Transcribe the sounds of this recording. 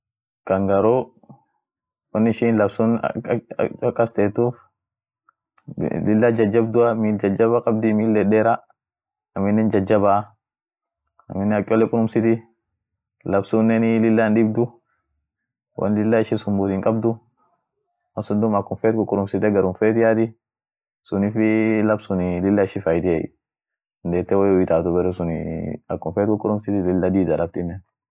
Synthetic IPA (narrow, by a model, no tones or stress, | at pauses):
kɐŋɡɐɾu | wɐnːɪʃɪnlɐbsun̰ | kːɐst̪eːt̪ːuːf | lɪlːɐd͡ʒɐd͡ʒːɐbd̪ʊɐmiːld͡ʒɐd͡ʒɐβɐkʼɐb̚d̪ɪmiːlːɛɗeːɾɐ | ɐmːɪnːɛnd͡ʒɐd͡ʒːɐba | ɐ̰mɪnːɛɐkʼːɔlːɛkʼʊɾʊmsɪt̪ɪ | lɐbsuːnːɛnɪlɪlːanᶑɪbd̪ʊ | wʔɐ̰nlɪlːaɪʃɪsʊmbʊt̪ɪŋkʼɐbd̪ʊ | wɐnsʊnd̪ʊmɐkːʊnfeːt̪kʊkʼʊɾʊmsɪt̪ɛɡɐɾʊnfeːt̪ɪjat̪ɪ | sʊnɪfɪlɐbsʊnɪlɪlːɐɪʃɪfɐjt̪ɛ̰ | nd̪eːt̪ːɛwɛjwɪt̪aːt̪ʊbɛɾɛsʊnɪ̰ɐkːʊnfeːt̪kʊkʼʊɾʊmsɪt̪ɪlɪlːad̪iːd̪alɐb̚t̪ɪnːɛn